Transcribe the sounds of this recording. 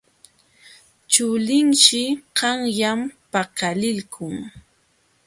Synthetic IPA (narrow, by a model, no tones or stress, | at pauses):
t͡ʃʊlɪŋʃɪɢɑŋjampakalɪlkʰʊŋ